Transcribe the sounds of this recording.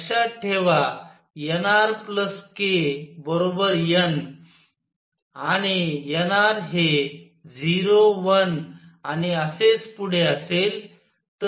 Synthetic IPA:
ɕaʈʰeʋa | jenaɾpləskebəɾobəɾjən | aɽ̃ijenaɾɦe | d͡ziɾoʋənaniəset͡spuɽ̤eəsel | t̪ə

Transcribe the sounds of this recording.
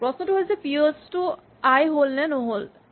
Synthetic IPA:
pɹɔsnɔtʊɦolzɛpiostʊ | ajɦolnɛnoɦol

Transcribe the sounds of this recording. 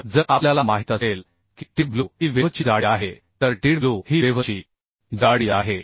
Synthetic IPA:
d͡zəʔapljalamaɦit̪asel | ki̥ʈibluɦiːʋeʋt͡ɕid͡zaɽiaɦe | t̪əɾʈiɽbluhiʋeʋət͡ɕiː | d͡zaɽiaɦe

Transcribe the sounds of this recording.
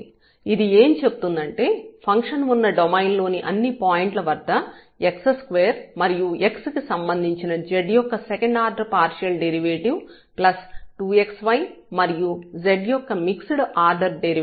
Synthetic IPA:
id̪ieːmt͡ʃe̞but̪und̪ɐɳʈe̞ːpʰɐŋkʂɐnʋunːɐɖomɐjnlo̞ːniʔɐnːipaːjiɳʈlɐʋɐɾd̪ːɐ | eksskʋeːɐɾmɐɾijue̞kskisɐmbɐnd̪ʱiɲt͡ʃinɐd͡ʒeɖjɔkːɐsekɐɳɖaːɾɖɐɾpaːɾʃɐlɖeɾiʋeːʈiʋ | plɐsʈuːe̞ksʋɐjmɐɾijud͡ʒeɖjɔkːɐmiksuɽʔaːɾɖɐɾɖeɾi

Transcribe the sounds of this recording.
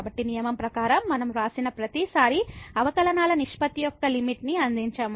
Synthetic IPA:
bɐʈːinijɐmɐmpɾɐkaːɾɐmːɐnɐmɾaːsinɐpɾɐt̪isaːɾiɐʋɐkɐlɐnaːlɐniʂpɐt̪ijɔkːɐlimiʈniɐnd̪iɲt͡ʃaːm

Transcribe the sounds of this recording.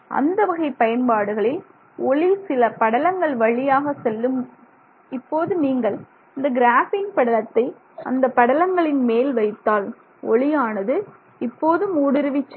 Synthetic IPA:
ɐ̰nd̪ɐʋɐɣɐɪpːɐjɐnpaːɽɯɣɐɭɪl | ɔɭɪsɪlɐpɐɽɐlɐŋɡɐɭʋɐɭɪjaːɣɐsɛlːɯm | ɪpːoːðɯniːŋɡɐɭ | ɪnd̪ɐɡɪɾaːfɪŋpɐɽɐlɐt̪ːɐɪ | ɐnd̪ɐpːɐɽɐlɐŋɡɐɭɪnmeːlʋɐɪt̪ːaːl | ɔ̰ɭɪjaːnɐðɯ | ɪpːoːðɯmuːɽɪɾɯʋɪt͡ʃːɐ

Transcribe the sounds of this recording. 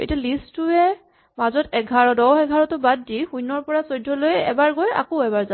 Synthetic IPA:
ḛtalistʊɛ | mazɔtɛɡʱaɹɔdɔwɛɡʱaɹɔtʊbadːixujnɔɹpɔɹasojdʱːɔlojɛ̰baɹɡoja̰koɛbaɹza

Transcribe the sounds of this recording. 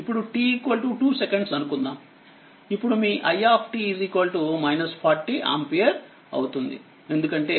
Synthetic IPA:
ipːuɽuʈiiːkʋɐlʈuʈuːsekeɳɖsɐnukund̪aːm | ipːuɽumiːʔɐjaːpʰʈiiziːkʋɐlʈumɐjnɐspʰaːɾʈːiʔa̰ːmpijɐɾ | ɐ̰wt̪und̪ḭ | e̞nd̪ukɐɳʈe̞ː

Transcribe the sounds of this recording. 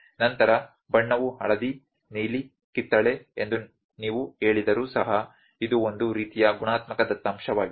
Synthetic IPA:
nɐnt̪ɐɾɐ | bɐɳːɐʋuɦɐ̰ɭɐd̪i | niːli | kit̪ːɐɭeend̪u | niːʋuɦe̞ːɭid̪ɐɾuːsɐɦɐ | id̪uond̪uɾiːt̪ijɐɡuɳaːt̪mɐkɐd̪ɐt̪ːaːmʃɐʋaːɡi

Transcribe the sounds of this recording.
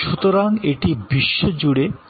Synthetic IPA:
ʃut̪oɾaŋeʈibiʃːod͡ʑuɽe

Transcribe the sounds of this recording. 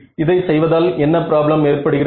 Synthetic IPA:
ɪðɐɪsɛjʋɐðaːlɛnːɐpɪɾaːblɐmeːrpɐɽɯɣɪrɐ

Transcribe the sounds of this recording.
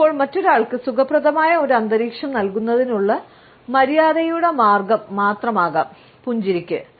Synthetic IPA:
pːo̞ːɭmɐtːo̞ɾaːɭkɨsukɐprɐðɐmaːjɐo̞ɾuɐnd̪ɐɾiːkʂɐmnɐlkunːɐðinuɭːɐ | mɐɾijaːðɐjuɽe̞maːrɡɐmːaːt̪rɐmaːɣɐ | puɲd͡ʑiɾikʲːɨ

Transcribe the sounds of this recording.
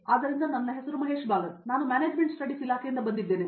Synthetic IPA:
aːd̪ɐɾind̪ɐnɐnːɐɦesɐɾumɐɦe̞ːʃbaːɡɐnaːnumʲaːneːd͡ʒmeɳʈsʈɐɽisilaːkʰejind̪ɐbɐnd̪id̪ːe̞ːni

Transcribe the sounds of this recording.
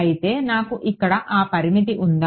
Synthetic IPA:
jit̪eːnaːkuʔikːɐɽɐʔaːpɐɾimit̪̬iʔund̪a

